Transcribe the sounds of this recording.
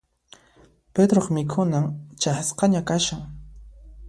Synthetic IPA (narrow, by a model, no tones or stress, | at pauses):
ped̪ɾoχmɪkʰʊnamt͡ʃahasqɑɲakaʃaŋ